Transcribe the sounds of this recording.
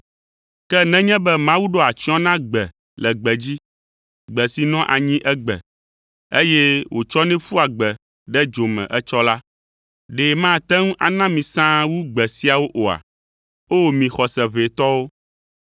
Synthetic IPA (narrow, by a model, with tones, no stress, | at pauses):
kɛ˦nɛ̃˦ɲɛ̃˦bɛ˦mã˦wu˦ɖo˦a˨t͡ʃi˦ɔ̃˦nã˦ɡ͡bɛ˨ | lɛ˨ɡ͡bɛ˨d͡ʑi˦ | ɡ͡bɛ˨si˨nɔ̃˦ʔa˨ɲĩ˦ʔɛ˦ɡ͡bɛ̰˨ | e˦jɛ˦wʔo˨t͡ʃɔ˦nɛ̃˦fu˦a˨ɡ͡bɛ˨ | ɖɛ˦d͡ʒo˨mɛ̰̃˨ʔɛ˦t͡ʃɔ˦la˦ | ɖe˨mã˦t̪ɛ˦ŋũ˦ʔa˨nã˦mĩ˨sã˦wu˦ɡ͡bɛ˨si˦a˨wo˦ʔo˨a̰˨ | o˦˨mĩ˨xɔ˨sɛ˨βe˨t̪ɔ˦wo˦